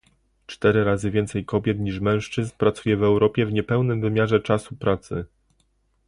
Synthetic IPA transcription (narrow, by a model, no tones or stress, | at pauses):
t͡ʂt̪ɛɾɘɾazɘvʲjɛnt̪sɛjkɔbʲjɛt̪ɲiʂmɛ̃w̃ʂt͡ʂɘznpɾat̪sujɛvɛwɾɔpʲjɛvɲɛpɛwnɘmvɘmʲjaʐɛt͡ʂasupɾat̪sɘ̰